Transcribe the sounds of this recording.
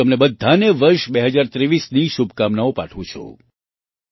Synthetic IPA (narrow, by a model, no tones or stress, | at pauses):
əmnebəd̪ʱːaneʋəɾʃbeɦəd͡ʒaɾt̪ɾeʋisniʃubʱkamnaopa̰ʈʰʋũt͡ʃʰo̰